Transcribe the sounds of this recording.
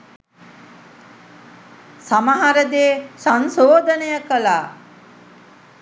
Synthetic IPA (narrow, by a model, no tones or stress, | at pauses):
samaɦaɾəd̪eːsansoːd̪ʱənəjəkəlaː